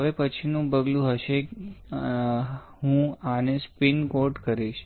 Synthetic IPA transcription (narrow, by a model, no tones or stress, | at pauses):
əʋepət͡ʃʰinũbəɡlũɦəʃe | ɦũanespinkoɾʈkəɾiʃ